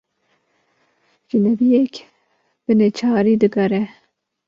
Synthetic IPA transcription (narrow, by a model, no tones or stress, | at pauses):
ʒɨnɛbijek | b̥ɨnet͡ʃʰɑːɾiːd̪ɨɡɐɾɛ